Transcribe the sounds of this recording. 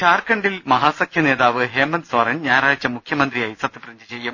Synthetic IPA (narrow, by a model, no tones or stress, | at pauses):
kʰaːrkɐɳɖilmɐɦaːsɐkʰjɐne̞ːðaːʋɨɦeːmːɐnsʋɐrɐnɲaːɾaːɻɐt͡ɕːɐmukʰjɐmɐnd̪rijaːjisɐt̪ːɐprɐɲd͡ʑɨt͡ɕe̞jːum